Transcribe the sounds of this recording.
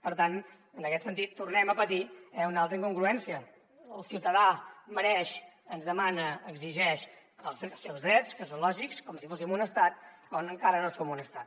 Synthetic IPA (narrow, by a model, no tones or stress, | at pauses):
pəɾt̪an | ənəkɛt̪sənt̪it̪ːurnɛməpət̪iɛunalˠt̪ɾəiŋkuŋɡɾuɛnsiəː | lˠsiwt̪əðaməɾɛʃ | ənzðəmanəːɡziʒɛʃ | əlˠzðsːɛwzðɾɛt͡skəsonlɔʒikskɔmsifosimunəst̪at̪kɔnəŋkaɾənosomunəst̪at̪